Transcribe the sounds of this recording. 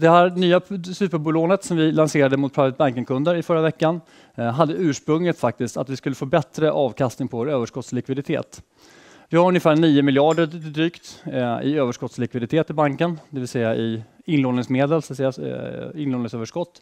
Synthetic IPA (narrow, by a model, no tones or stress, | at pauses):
d̪ɛhæːɾnyːasʉːpəɾbʊloːnət̪sɔmvɪlanseːɾad̪əmʊt̪̚pʰɾavət̪̚baŋkəŋkʰɵnd̪əɾɪfœɾːavɛkːan | ɦad̪ːəʉ̟ːʂpɾɵŋlət̪fak̚t̪ɪst̪a̰t̪vɪskɵlːəfoːbɛt̪ɾəʔɑːvkʰast̪nɪŋpʰɔvoːɾøːvəʂkɔt̪slɪkvɪd̪ɪt̪ʰḛːt̪ | vɪhaɾɵnjəfæːɳiːʊmɪljɑːɖəɾɪd̪ɾyːkt̪ɪ̰øːvəʂkɔt̪slɪkvɪd̪ɪt̪ʰeːt̪ɪbaŋkənd̪ɛvɪlsɛjːaʔɪɪnloːnɪŋsmeːd̪əlsat̪sɛjːaɪnloːd̪nɪŋsøːvəʂkɔt̪ː